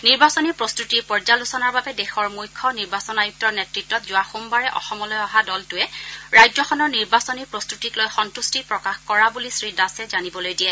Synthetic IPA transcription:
niɹbasɔnipɹɔstutipɔɹzalusɔnaɹbabɛdɛxɔɹmujkʰːɔniɹbasɔnajuk̚tɔɹnɛtɹitːɔtzʊaxumbaɹɛʔɔ̰xɔmɔlɔjɔɦadɔltʊɛɹajd͡ʒɔxɔnɔɹniɹbasɔniɹpɹɔstutitlojxɔntustipɹɔkaxkɔɹabulisɹidasɛzanibɔlojdiɛ

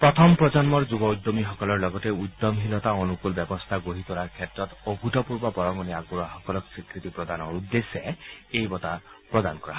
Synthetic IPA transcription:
pɹɔt̪ʰɔmpɹɔd͡ʒɔnmɔɹd͡ʒubɔujd̪ːomixɔkɔlɔɹlɔɡɔtɛujd̪ːɔmɦilɔt̪aɔnukulbɛbɔst̪ʰaɡoɦit̪ɔɹaɹkʰɛtɹɔt̪obʱutɔpuɹbɔbɔɹɔŋɔniaɡ̚buɾaxɔkɔlɔksikɹit̪ipɹɔd̪anɔɹud̪ːesːɛejbɔt̪a | pɹɔd̪ankɔɹa

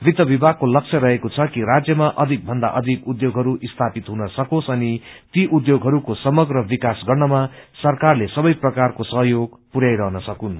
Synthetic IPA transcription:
bid̪ʌbibʱaɡ̚kolʌk̚t͡sʰʌɾʌɦekot͡sʰʌkiɾad͡zjʌmaʔʌd̪ʱik̚bʱʌnd̪a̰ʔʌd̪ʱikud̪joɡʱɦʌɾuʔist̪ʰapit̪ɦunʌsʌkosʌnit̪iʔud̪joɡɦʌɾukosʌmʌɡrʌbikasɡʌrnʌmasʌrkarlesʌbʌjprʌkarkosʌɦjoɡpuɾjajɾʌɦnʌsʌkun

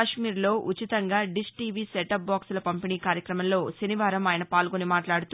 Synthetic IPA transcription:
ʃmiːɾlo̞ːʔut͡ʃit̪ɐŋɡaːɖisʈiːʋiːsɛʈɐp̚baːksulɐpɐmpiniːkaːɾjɐkɾɐmɐmlo̞ːsɐniʋaːɾɐmaːjɐnɐpaːlɡonimaːʈlaːɽut̪u

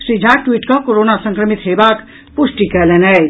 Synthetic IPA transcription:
ʃɾiːd͡ʒʱaːk̚ʈwiːʈkakoɾoːnasə̃ŋkɾəmɪt̪ɦeːbaːk | pʊʃʈikɛleːnɛ

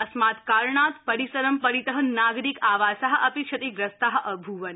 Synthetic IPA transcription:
ɐsmaːt̪kaːɾɳaːt̪pɐɾisɐɾɐmpɐɾit̪ɐɦɐnnːaːɡɾikaːʋaːsaɦɐ̆ʔɐpiʂʰɐt̪ikɾɐst̪aɦɐ̆ʔɐbʱuʋɐn

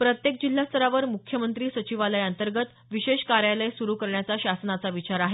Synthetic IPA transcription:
pɾət̪jek̚d͡ʑil̤ːast̪ʰəɾaʋəɾmukʰjəmənt̪ɾiːsət͡ɕiʋaləjənt̪əɾɡət̪ | ʋiɕeɕkaɾjaləjsuɾuːkəɾɳjat͡saɕasnat͡saʋit͡ɕaɾaɦe

